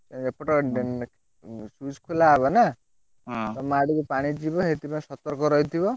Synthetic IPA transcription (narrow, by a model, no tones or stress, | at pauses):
t̪epɔʈɔe | sud͡ʒkʰulabɔna | t̪ɔmaɽikupaɽ̃id͡ʒibɔɦet̪ipaĩsɔt̪ɔɾkɔɾɔit̪ʰibɔ